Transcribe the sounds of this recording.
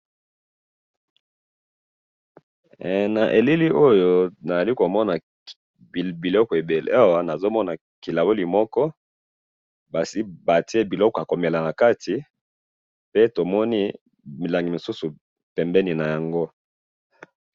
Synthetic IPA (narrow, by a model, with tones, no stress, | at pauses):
na˨ʔe˨li˦li˦ʔo˦jo˦na˨za˨li˦ko˨mɔ˦na˨ | bi˨lɔ˦kɔ˨e˨be˨lḛ˨˦a˦wa˨na˨zo˦mɔ˦na˨ | ki˨la˨bo˦li˨mɔ˦kɔ˦ | ba˨si˦ba˨ti˦e˦bi˨lɔ˦kɔ˨a˨ko˨me˨la˨na˨ka˦ti˨ | pe˦to˨mɔ˦ni˦ | mi˨la˨ŋɡi˨mo˨su˦su˨ | pɛ˨mbɛ˦ni˨na˨ja˨ŋɡo˦